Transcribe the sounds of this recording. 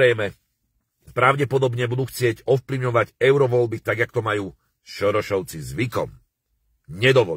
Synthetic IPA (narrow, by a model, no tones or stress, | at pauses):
ɛjmɛ | pɾaʊɟɛpɔd̪ɔbɲɛbud̪uxt͡sɪɛɟɔfpliʊɲɔʋaɟɛʊɾɔʋɔlbit̪aɡakt̪ɔmajuː | ʃɔɾɔʃɔʊt͡sizʋikɔ̰m | ɲɛd̪ɔʋɔ